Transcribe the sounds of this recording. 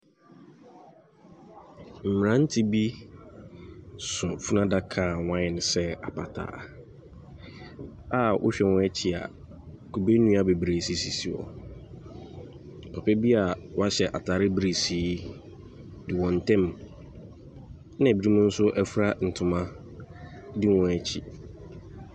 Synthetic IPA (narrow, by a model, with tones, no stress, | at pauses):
m̩˨mɪ̃˨ɾã˨˦n̩˦tʰi˦bi˦ | sʊ˨fu˦nã˦da˦kʰãː˨wã˦ɛ˨nɪ̃˨sɛ˦a˨pʰa˨tʰa̰ː˦ | a˦˨ʔʊ̰˦ɕᶣɛ˨wɔ̃˦ɛ˦t͡ɕʰi˨a̰˨ | ku˨be˦nũ˦a˨be˨bɾe˨si˦si˨si˨ɔ̰˨ | pʰɔ˨pʰɛ˦bi˦a˨wɔ˦a˦ɕɛ˨ʔa˨tʰaː˨ɾɪ˦bɾe˨siː˨˦ | dɪ˨wɔ̃˨n˨tʰɛ̃˦m | nã˦˨bi˨˦ɾi˦mũ˦n̩˦sʊ˦ʔɛ˦fɾa˦n̩˨tʰʊ̃˨mã˦ | dɪ˦wɔ̃˨ɛ˨t͡ɕʰi˨